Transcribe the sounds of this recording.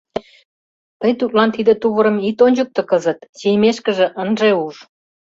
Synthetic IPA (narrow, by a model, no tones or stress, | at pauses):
t̪əjt̪ut̪̚lɑnt̪id̪ə̆t̪uβəɾə̆mit̪onʲd͡ʑək̚t̪ɤ̆kəzə̆t̪sejmeʃkə̆ʒĕʔənʒeuʃ